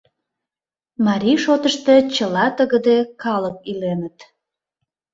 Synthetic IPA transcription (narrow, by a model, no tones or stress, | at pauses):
mɑɾʲiʃot̪əʃt̪et͡ɕəlɑt̪əɣəd̪ekɑlək̚ilenət̪